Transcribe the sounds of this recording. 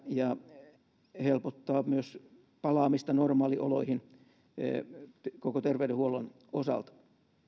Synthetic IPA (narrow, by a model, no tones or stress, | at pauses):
jɑ | helpot̪ːɑːmyøs | pɑlɑːmist̪ɑnormɑːliʔo̰loihin̰ | kokot̪erʋeydehuolon | osɑ̰lt̪